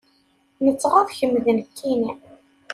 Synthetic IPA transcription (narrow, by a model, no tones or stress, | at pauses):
nət͡sːʁafçəmːðənkʰːini